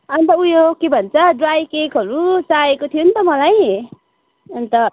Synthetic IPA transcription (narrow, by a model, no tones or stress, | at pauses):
ʌnt̪ʌujokebʱʌnt͡sʰʌɖrajkekɦʌɾusaekot̪ʰijont̪ʌmʌlaj | ʌnt̪ʌ